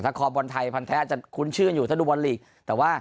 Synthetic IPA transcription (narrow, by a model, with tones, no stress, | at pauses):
t̪ʰaː˥˩kʰɔː˧p̚wɔ˧nt̪ʰa˧jpʰa˧nt̪ʰɛː˦˥t͡ɕa˨˩kʰu˧˥˦nt͡ɕʰɯ˥˩ənjuː˨t̪ʰaː˥˩duː˧wa˧nli˨˩k̚ | t̪ɛː˨˩waː˥˩